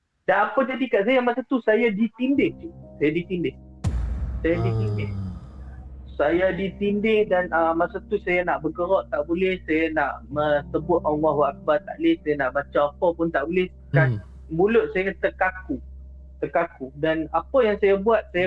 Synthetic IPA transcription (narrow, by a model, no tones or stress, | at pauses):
danapəd͡ʒadikaʔsajamasat̪usajadit̪indɪht̪usajadit̪indɪh | sajadit̪indɪh | sajadit̪indɪhdanamasat̪usajanaʔbəɡəɾɔʔt̪aʔbolɛhsajanaʔmə̃səbʊt̪̚ʔɔŋɔhwaʔak̚bat̪a̰ʔlɪsajanaʔbat͡ʃaapəpʊnt̪aʔbolɛh | kan | mulʊʔ̪̚sajat̪əkaku | t̪ərkakudanapəjaŋsajabuat̪̚saja